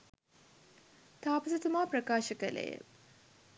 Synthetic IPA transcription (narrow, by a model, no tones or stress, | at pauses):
t̪aːpɐsɐt̪umaːprɐkaːʃəkələ̰jə̰